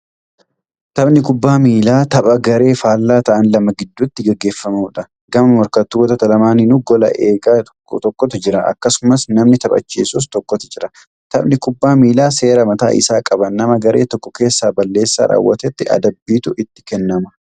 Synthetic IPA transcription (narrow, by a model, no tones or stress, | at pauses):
t̪ɐbnɪkʊbːaːmiːlaːt̪ɐpʼɐɡɐɾe̞ːfaːlːaːt̪ɐʔɐnlɐmɐɡɪd̪ːut̪ːɪɡɐɡːe̞ːfːɐmuːᶑɐ | ɡɐmɐmɔɾkɐt̪ːuːwɔt̪ɐt̪ɐlɐmaːnɪnʊɡɔlɐ̰ʔe̞ːɡaː | t̪ɔkːɔt̪ɪd͡ʒɪɾɐʔɐ̰kːɐsʊmɐsnɐmnɪt̪ɐbʼɐ̰t͡ʃːḭːsuft̪ɔkːɔt̪ɪd͡ʒɪɾɐ | t̪ɐbnɪkʊbːaːmiːlaːse̞ːɾɐmɐt̪a̰ːʔɪ̰saːkʼɐbɐnːɐmɐɡɐɾʔe̞̰ːt̪ɔkːɔke̞ːsːaːbɐlːe̞ːsːa̰ːɾa̰ːwːɐt̪ɛt̪ːɪɐ̰d̪ɐbːiːt̪ʊʔɪt̪ːɪ̥kɛnːɐmɐ